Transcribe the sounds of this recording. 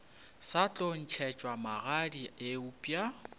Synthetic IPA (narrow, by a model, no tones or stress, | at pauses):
sat͡ɬʼon̩t͡ʃʰɛt͡ʃʼwamaɣadieupʼja